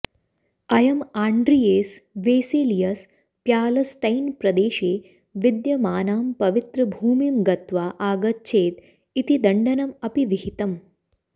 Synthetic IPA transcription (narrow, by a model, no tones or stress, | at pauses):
ɐjɐmaːɳɖɾijeːsʋeːseːlijɐs | pjaːlɐsʈɐjnpɾɐd̪eːʃeː | ʋid̪jɐmaːnaːmpɐʋit̪ɾɐbʱuːmimɡɐt̪ʋaːʔaːɡɐt̪̚t͡ʃʰeːt̪ | it̪id̪ɐɳɖɐnɐmɐpiʋiɦit̪ɐm